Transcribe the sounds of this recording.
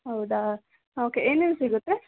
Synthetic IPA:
ɦɐwd̪a | oːkeʔeːnensiɡut̪ːɾe

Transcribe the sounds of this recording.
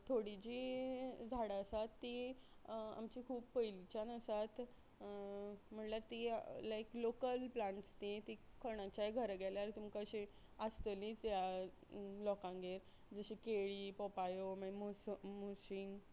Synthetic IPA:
t̪ʰoɽid͡ʑiːd͡zʱaɽaəsat̪ːi | a̰mt͡ɕikʰuːbpəjlit͡ɕanəsat̪ | m̤əɳlaɾt̪ilaeklokəlplãɳʈst̪ĩt̪ikʰəɽ̃ãt͡ɕajɡʱəɾɡɛleaɾit̪umkaɕe | əst̪əlĩt͡sja | lɔkãŋɡeɾ | d͡zəɕĩkeɭiːpɔpajomãmosmosiŋɡ

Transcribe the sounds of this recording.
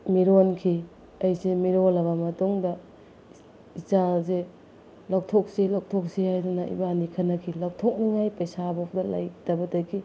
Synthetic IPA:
miɾonkʰi | ɐjsemiɾolɐβɐmɐtuŋdɐ | it͡ʃaze | law̚tʰok̚silaw̚tʰok̚sihajdunɐḭbanikʰɐnɐkʰilaw̚tʰok̚niŋajpɐjsabok̚dɐla̰jtɐbɐtakʰi

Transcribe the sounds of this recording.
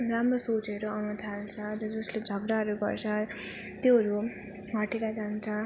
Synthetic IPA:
ramrosot͡seɾoʌnʌt̪ʰalt͡sʰʌd͡zʌd͡zʌsled͡zʱʌɡɾaɦʌɾuɡʌ̰rt͡sʰʌ | t̪joɦʌɾu | ɦʌʈeɾad͡zant͡sʰʌ

